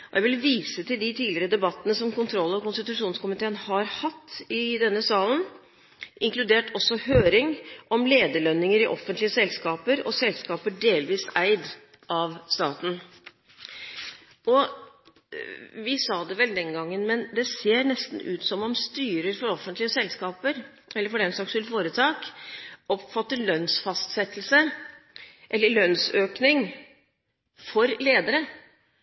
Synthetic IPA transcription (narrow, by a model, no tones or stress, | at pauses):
ɔjæɪʋɪlʋiːsət̪ɪld̪ɪt̪ʰiːdlɪɾəd̪ɛbɑt̪ːənəsɔmkʊnt̪ʰɾɔlːɔkʊnst̪ɪt̪ʉʂuːnskʊmɪt̪ʰeːənhɑɾhɑt̪ʰːɪd̪ɛnːəsɑːlən | ʔɪŋklʉd̪eːʈɔsːɔhøːɾɪŋɔmleːd̪əɭœnːɪŋəɾɪʔɔfənt̪lɪəsɛlskɑːpəɾɔ̰sɛlskɑːpəɖeːlʋiːsæɪd̪ | ʔɑʋst̪ɑːt̪n̩ | ʔɔ | ʋɪsɑːd̪ɛʋɛld̪ɛnɡɑŋːənmɛnd̪ɛseːɾnɛst̪n̩ʉːt̪sɔmɔmst̪yːɾəɾfɔɾɔfːənt̪lɪəsɛlskɑːpəɾ | ʔɛlːəɾfɔɖɛnsɑksɛlfoːɾət̪ʰɑːkʔɔpfɑt̪ːəɾɭœnsfɑst̪sɛt̪ːlsə | ʔɛlːəɭœnsøːknɪŋ | fɔɾleːd̪əɾə